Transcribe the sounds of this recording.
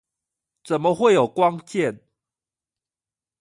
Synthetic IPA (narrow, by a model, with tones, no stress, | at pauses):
t͡sə˨˩nmə˦xwe˥˨ɪjo˨˩ʊkwɑ˦ŋt͡ɕjɛ˥˨n